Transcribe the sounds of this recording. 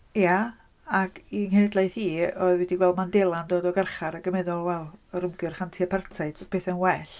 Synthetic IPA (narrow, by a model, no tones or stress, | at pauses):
ja | aɡiŋhɛnɪdlˠajθiːɔɨðwɛdiɡwɛlˠdmandelˠandoːdɔɡərχaɾaɡəmɛðɔlˠwɛlˠəɾəmɡɨrχantʰiapʰartʰaɨd̥pʰeːθənwɛɬ